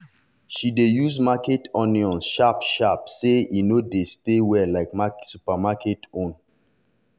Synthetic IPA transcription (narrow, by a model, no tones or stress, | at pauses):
ʃidejusmaketɔniɔ̃nʃapʃapseinodestewɛlaɪkmasupamaketõn